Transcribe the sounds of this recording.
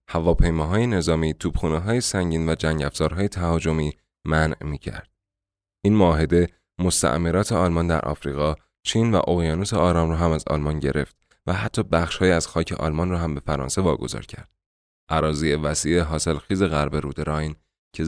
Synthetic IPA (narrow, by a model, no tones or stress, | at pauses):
hævɒːpʰe̞jmɒːɦɒːjene̞zɒːmiːt̪ʰuːb̥xuːneɦɒːjesæŋɟiːnvæd͡ʒæŋɟæfz̥ɒːɾɦɒːjet̪ʰæhɒːd͡ʒo̞miː | mænmiːcʰæ̰ɾd̪̥̚ | ʔiːnmoːɦe̞d̪e̞ | mo̞st̪æ̰ʔmeɾɒːt̪ʰe̞ɒːlmɒnd̪æ̰ɾʔɒ̰ːfɾiːɣɒː | t͡ʃʰiːnvæ̰ʔoɣjɒːnuseɒːɾɒːmrɒːɦæmæzɒ̰lmɒnɟe̞ɾʔe̞̰ft̪ | væɦæt̪ʰːɒːbæxʃhɒːjiæz̥xɒːcʰe̞̰ʔɒ̰ːlmɒnrɒːɦæmbe̞fæɾɒ̰nse̞vɒːɡo̞̰zɒ̰ːɾcʰæ̰ɾd̪̥ | ʔæɾɒːziːevæsiːeɦɒːse̞lxiːze̞ɣæɾbe̞ɾuːd̪eɾɒjn | cʰe